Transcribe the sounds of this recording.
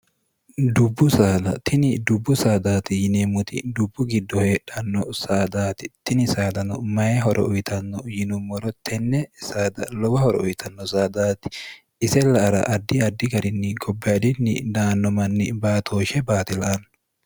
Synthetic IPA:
d̪ʊbːʊsaːd̪ɐt̪ɪnɪd̪ʊbːʊsaːd̪aːt̪ɪjɪneːmːʊt̪ɪ̰d̪ʊbːʊɡɪd̪ːɔheːᶑɐnːɔsaːd̪aːt̪ɪt̪ɪnɪsaːd̪ɐnɔmɐjɛɦɔɾʔɔ̰ʔʊjt̪ɐnːɔjɪnʊmːɔɾɔt̪ʰɛnːɛsaːd̪ɐlɔwɐhɔɾɔʊjt̪ʰɐnːɔsaːd̪aːt̪ɪ̥ | ɪsɛlɐʔɐɾɐ̰ʔɐd̪ːɪɐd̪ːɪɡɐɾɪnːɪɡɔbːɛɐd̪ɪnːɪd̪aːnːɔmɐnːɪbaːt̪ʰoːʃɛbaːt̪ɪlɐʔɐnː

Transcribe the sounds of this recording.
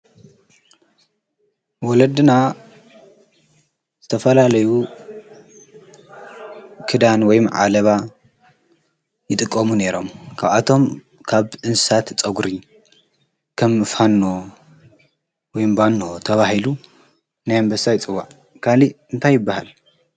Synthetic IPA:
wɔlɐd̪ɨna | z̥ɨt̪ʰɐfɐlalɐju | kʰɨd̪anwɔjmʕa̰lɐβa | jɨt̪ʼɨkʼːɐmune̞ɾo̞mkʰaβat̪ʰo̞m | kʰaβʔɨnsɨ̥sat̪t͡sʼɐɡɾi | kʰɐmːɨfhanːo | wɔjmbanːot̪ʰɐβahilu | najmbɐsajt͡sʼɨwːa̰ʕ | kʰaliɨnt̪ʰajːɪbːahal

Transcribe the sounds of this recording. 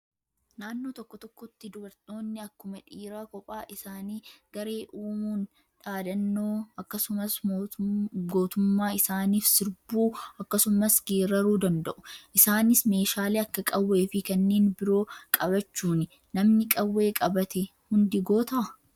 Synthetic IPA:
naːnːo̞ːt̪ɔkːɔt̪ɔkːɔt̪ːɪd̪ʊbɐɾt̪ʼo̞ːnːɪɐkːʊmɐᶑiːɾaːkɔpʼaːʔɪsaːniːɡɐɾe̞ːʔuːmuːn | ᶑaːd̪ɐnːoːɐkːɐsʊmɐs | ɡo̞ːt̪ʊmːaːɪsaːniːfsɪɾbuːɐkːɐsʊmɐsɡeːɾɐɾuːd̪ɐnd̪ɐʔʊ̥ʔɪsaːnɪsme̞ːʃaːleːɐkːɐkʼɐwːeːfɪkɐnːeːnbɪɾo̞ːkʼɐbɐt͡ʃːuːnɪ | nɐmnɪkʼɐwːe̞ːkʼɐbɐt̪ɛ | hʊnd̪ɪɡo̞ːt̪ɐʔɐ

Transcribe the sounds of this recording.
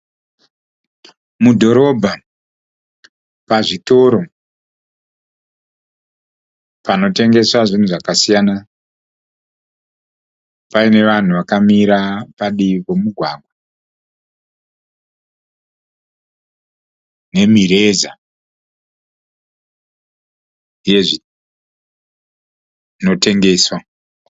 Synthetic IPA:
mudʱo̞ɾo̞bʱa | paʐito̞ɾo̞ | pano̞te̞ŋɡe̞swaʐin̤uʐakasijana | paine̞ʋan̤uʋakamiɾapaɗikemuɡʱwaːɡwa | ne̞miɾe̞za | ije̞ʐi | no̞te̞ŋɡe̞ːswa

